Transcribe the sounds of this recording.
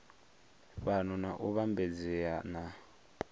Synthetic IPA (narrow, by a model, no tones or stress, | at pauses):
βanɔnaʔuβambɛd͡zɛana